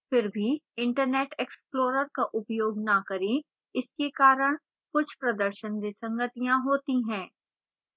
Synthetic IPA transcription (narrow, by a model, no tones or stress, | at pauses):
fɪɾbʱiɪ̃ɳʈəɾneːʈeːksploːɾəɾkaʔʊpjoːɡnakɐɾẽ | ɪskekaːɾəɽ̃ | kʊt͡ʃʰpɾɐd̪əɾʃənd̪esɐ̃ŋɡət̪ijãɦoːt̪iɦɛ̃ː